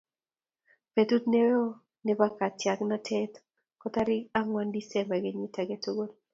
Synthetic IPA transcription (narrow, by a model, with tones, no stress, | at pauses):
pe˨tu˦tne˦wɔ˦ | ne˦ba˦ka˨tja˨kna˦tʰɛ˦t | kɔ˦ta˦ɾɪ˦ka˦ŋwa˦ndi˦sɛ˦mba˨ɡe˦ɲi˦ta˨ɡe˦to˦ɡo˦l